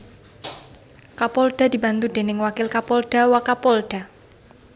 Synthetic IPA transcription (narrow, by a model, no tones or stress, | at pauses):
kapɔlɖ̪̥a̤d̪̥i̤ba̤nt̪ud̥̪e̤nɪŋwakɪlkapɔlɖ̥awakapɔlɖ̥a